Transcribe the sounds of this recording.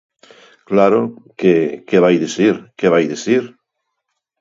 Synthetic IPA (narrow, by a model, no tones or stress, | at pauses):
klaɾokekeβajðisiɾkeβajðiθiɾ